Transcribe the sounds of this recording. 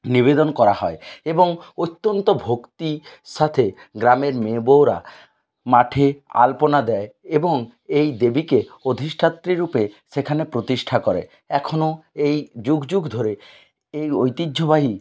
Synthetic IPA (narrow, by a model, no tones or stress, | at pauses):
nibed̪ɔnkɔɾahɔeeboŋot̪ːɔnt̪ɔbʱokt̪isat̪ʰeɡɾameɾmebowɾa̰ | maʈʰea̰lponad̪ɛeeboŋ | ejd̪ebikeod̪ʱiʃʈʰat̪ːɾiɾupesekʰanepɾot̪isʈʰakɔɾḛ | ɛkʰonoejd͡ʑuɡd͡ʑuɡd̪ʱoɾe | ejojt̪idʒobaɦi